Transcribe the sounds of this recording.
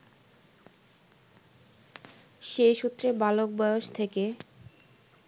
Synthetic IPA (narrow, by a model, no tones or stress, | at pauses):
ʃeʃut̪ːɾebalok̚bɔoʃt̪ʰeke